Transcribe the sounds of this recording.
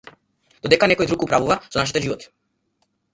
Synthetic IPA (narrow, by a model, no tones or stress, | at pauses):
d̪̥od̪ɛkanɛkɔjd̪ɾukupɾavuvasɔnaʃit̪ɛʒivɔt̪i̥